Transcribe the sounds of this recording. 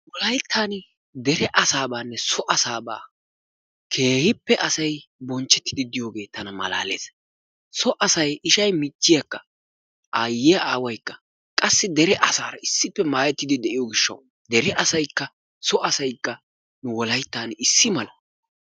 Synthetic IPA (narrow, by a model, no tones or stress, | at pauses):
wɔlɐjt̪ʰːaːn | d̪ɛɾɛʔɐsaːbaːnːɛsɔʔɐsaːba̰ː | kʰe̞ːhɪpːɛʔɐsɐjbɔnt͡ʃːɛt̪ːɪd̪ɪd̪ɪjoːɡe̞ːt̪ːɐnɐmɐ̰la̰ːle̞̰ːs | sɔʔɐsɐjɪʃɐjmɪt͡ʃːɪjɐkːɐ | ʔɐjːɪjɐaːwɐjkːɐ̥ | kʼɐsːɪd̪ɛɾɛʔɐsaːɾɐɪsːɪpːɛmaːjɛt̪ːɪd̪ɪd̪ɛʔɪjoːɡɪʃːɐ̰w | d̪ɛɾɛɐsɐjkːɐ | sɔʔɐsɐjkːɐ | nʊwɔlɐjt̪ːaːnɪsːɪmɐlɐ